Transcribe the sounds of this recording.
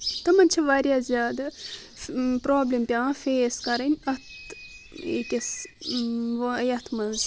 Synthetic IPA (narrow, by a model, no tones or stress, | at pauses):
t̪ɐmɐnʲt͡ʃʰɐʋaːɾʲjaːzʲjaːd̪ɐ | pɾoːblʲempʲjãːfeːskɐɾɐnʲɐt̪ʰ | ḛkʲɐs | ʋɐɐjɐt̪ʰmɐnz